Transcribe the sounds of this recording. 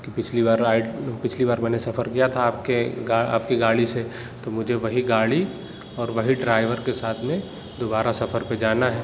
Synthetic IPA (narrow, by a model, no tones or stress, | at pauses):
kipɪt͡ʃʰlibaːɾapɪt͡ʃʰlibaːɾmɛ̃ːnesɐfʰəɾkijat̪ʰaːp̚keɡaa̰ːp̚kiɡaːɽise | t̪omʊd͡ʒʱeʋɐɦiɡaːɽi | ɔːɾʋɐɦiɖɾaːɪʋəɾkesaːt̪ʰmẽ | d̪oːbaːɾasɐfʰəɾped͡ʒaːnaɦɛː